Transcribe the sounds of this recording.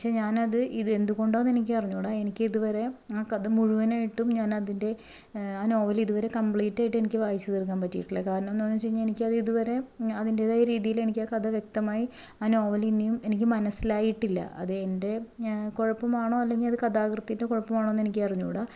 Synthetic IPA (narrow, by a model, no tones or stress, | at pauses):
pɐkʂe̞ːɲaːnɐðɨʔiðɨe̞nd̪uɣo̞ɳɖoːenːenik̬ʲːɨpɐriɲːuːɽaːe̞nikʲːɨiðuʋɐɾe̞aːkɐðɐmuɻuʋɐnaːjiʈːumɲaːnɐðinde̞ | aːno̞ːʋɐliðuʋɐɾe̞kɐmpɭiːtːaːjiʈːe̞nikʲːɨʋaːjit͡ɕːɐðirk̬ːaːnpɐtːijiʈːilːɐkaːɾɐɳɐmnːoːnːɨt͡ɕe̞jɲːae̞nikʲːɨɐðɨiðuʋɐɾe̞ɐðinde̞ðaːjɐɾiːðijile̞nikʲːaːkɐd̪ɐʋjek̚t̪ɐmaːji | aːno̞ːʋɐlinːijume̞nikʲːɨmɐnɐsilaːjiʈːilːɐ̰ʔɐ̰ðɨende̞ko̞ɻɐpːɐmaːɳo̞ːɐlːe̞ŋɡilɐðɨkɐd̪aːɡrɨt̪ːnde̞ko̞ɻɐpːɐmaːɳoːnːe̞nikʲːɨɐriɲːṵːɽaː